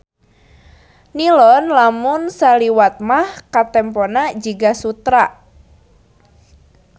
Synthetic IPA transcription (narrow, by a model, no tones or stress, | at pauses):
nilɔnlamʊnsaliwat̪̚mahkat̪ɛmpɔnad͡ʒiɡasut̪ɾa